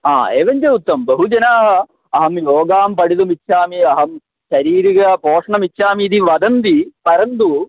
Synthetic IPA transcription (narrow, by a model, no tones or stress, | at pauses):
a̰ːeːʋɐɲd͡ʒɐut̪ːɐmbɐɦud͡ʒɐnaːɦɐ | ɐɦɐmjoːɡaːmpɐɽid̪umitːʃʰaːmiɐɦɐm | ɕɐɾiːɾiɣɐpoːʂɳɐmitːʃʰaːmiːd̪iʋɐd̪ɐnd̪ipɐɾɐnd̪u